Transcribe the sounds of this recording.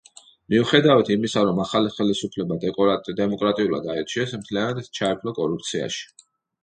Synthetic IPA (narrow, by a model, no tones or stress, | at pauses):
miuχɛd̪avat̪ʰimisaɾɔmaχaliχɛlisupʰlɛbad̪ʼd̪ɛmɔkʼɾat̪ʼiulˠa̰d̪aɛt͡ʃʰiɛsmt̪ʰlianad̪t͡ʃʰaɛpʰlɔkʼɔɾup̚ʰt̪sʰia̰ʃi̥